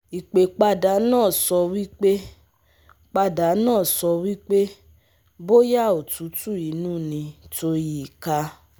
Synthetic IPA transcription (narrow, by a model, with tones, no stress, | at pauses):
i˨k͡pe˨k͡pa˧da˨˦nãː˦˨sɔ˧wi˦k͡pe˦ | k͡pa˧da˨˦nãː˦˨sɔ˧wi˦k͡pe˦ | bo˦ja˦˨o˨tu˨˦tu˦˨i˨˦nũː˦˨nĩ˧to˧ji˨ka˧˦